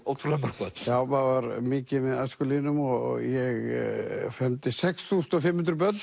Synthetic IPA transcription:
oːwt̪ʰuɾlampaɾkœt̪n̥jaːwmavaɾmɪːcɪmɛðaskʏliːnʏmɔ̰jɛɣ | fɛmt̪ɪsɛksθuːsʏ̥nɔfɪmːɪnt̪ɾpœt̪n

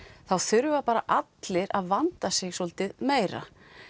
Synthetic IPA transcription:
θawθʏɾvapaːɾa̰ʔat̪lɪɾaðvant̪asɪɣsɔlt̪ɪðmeːjɾa̰

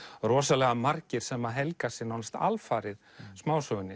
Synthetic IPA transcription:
ɾɔːsalɛɣamaɾcɪɾ̥sɛmːaðɦɛlkasɪnawnst̪a̰lfaːɾɪɾ̥ | smaːwsœɣʏnːɪ

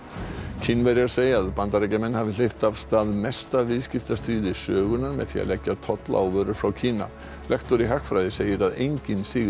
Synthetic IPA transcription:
cʰɪnvɛɾɪaɾseːjaaðpant̪aɾejcamɛnːhaːvɪl̥ejft̪av̥st̪aːðmɛst̪avɪðscɪft̪ast̪ɾiːðɪsœːɣʏnaɾmɛ̰ðθḭa̰lɛcːat̪ʰɔt̪la̰wvœːɾʏɾ̥fɾawcʰiːna̰ | lʔɛxt̪ɔɾiɦaxfɾajðɪseːjɪɾaðejɲcɪnsɪːɣ

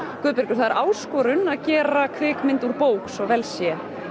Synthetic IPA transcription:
kʏːðpɪɾcʏɾ̥θaðɪɾʔaːwskɔːɾʏnaðcɛːɾakʰvɪːkmɪnt̪uɾpoːwksɔɣvɛlsjɛ

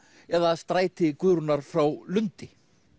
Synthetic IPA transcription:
ɛðaðst̪ɾaːjt̪ɪkʏðɾʏnaɾ̥fɾawlʏnt̪ɪ

